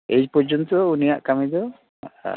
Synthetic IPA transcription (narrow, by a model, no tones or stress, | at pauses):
ed͡ʒpɔd͡ʒɔnt̪ɔunijaʔkamid̪ɔ̰